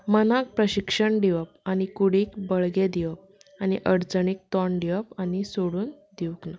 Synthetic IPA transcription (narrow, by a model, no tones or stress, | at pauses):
mənak̚pɾəɕikʂəɳɖiʋəp̚añikuɽiːkbəɭɡed̪iʋəp̚ | añiʔəɾd͡zəɳik̚t̪ɔɳɖiʋəpanisoɽuːn | d̪iʋkna